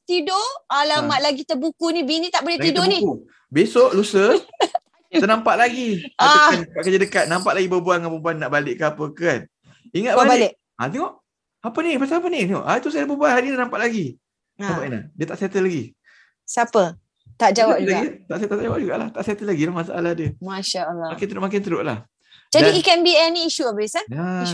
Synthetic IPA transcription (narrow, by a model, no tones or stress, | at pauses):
t̪idoalamaʔ̪̚laɡit̪əbukunĩbinĩt̪aʔbuleh̪idoʔbniku | besɔʔlusə | ənampaʔ̚laɡiaaankaʔkəd͡ʒadəkat̪̚nampaʔ̪laɡibəbuaŋanbəbuanːaʔbalɪʔkəapəkan | iŋat̪̚albalɪʔ | a̰t̪ɛŋɔʔ | apənipasaap̬ənineŋɔ̰ʔat̪us̬adabəbuanhaninanãmpaʔlaɡi | abaʔina̰diət̪aʔsat̪əlaɡi | sapə | t̪aʔd͡ʒawap̚d͡ʒulaɡit̪aʔsat̪at̪ad͡ʒawap̚d͡ʒuɡa̰ʔla̰ht̪aʔsat̪əlaɡilahmasa̰ʔa̰lahdiəmaʃaəlːmakɪnt̪ədʔmak̬ɪnt̪ədoʔla̰h | d͡ʒadaiikɛnbiɛniːʃuabisaa